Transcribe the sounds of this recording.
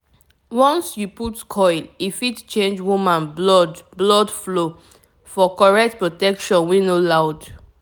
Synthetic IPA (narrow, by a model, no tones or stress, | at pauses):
wɔ̃nsjuputkʰɔɪlifitt͡ʃẽnd͡ʒwumãnblɔdblɔdflo | fɔkɔɹɛk̚tpɹotɛkʃɔ̃nwinolaʊd